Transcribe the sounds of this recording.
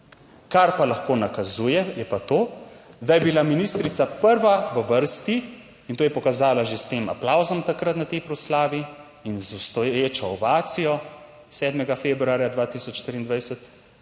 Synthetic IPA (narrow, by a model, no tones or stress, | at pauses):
kaɾpalaxkoːnakazuːjɛjɛpat̪oːd̪ajɛbilaminiːst̪ɾit̪sapəɾʋaʋəʋəɾst̪i | int̪oːjɛpɔkazaːlaʒest̪eːma̰plawzɔmt̪akɾat̪nat̪ɛjpɾɔslaːʋi | inzust̪ɔjeːt͡ʃɔːbaːt̪sijɔ | sɛːd̪mɛɡafebɾuaːɾjad̪ʋaːt̪isɔt͡ʃʃt̪ɾiːnd̪ʋajsɛt̪